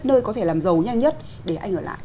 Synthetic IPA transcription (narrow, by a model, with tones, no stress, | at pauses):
nəː˧jkɔ˨˦t̪ʰe˧˩laː˨˩mzə˨˩wɲa˧jŋɲə˦˥t̚ | ɗe˧˩ʔa˧jŋʔəː˧˩la̰ː˧˨j